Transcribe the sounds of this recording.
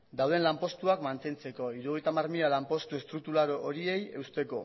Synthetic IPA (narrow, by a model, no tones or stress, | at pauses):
d̪awð̞e̞nlampo̞st̪uakmant̪e̞nt͡se̞ko̞iɾuoɣ̞jt̪amaɾrmiʎalampo̞st̪ue̞st̪ɾuk̚t̪ulaɾoʔːɾie̞je̞wst̪e̞ko̞